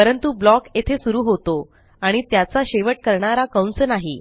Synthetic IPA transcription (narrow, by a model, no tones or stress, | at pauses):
pəɾənt̪ublɔket̪ʰesuɾuːɦot̪o | aɽ̃it̪jat͡saɕeʋəʈ̚kəɾɳaɾakəwnsənaɦḭ